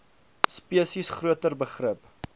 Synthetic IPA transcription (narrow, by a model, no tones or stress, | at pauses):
spiəsisχruətərbəχrəp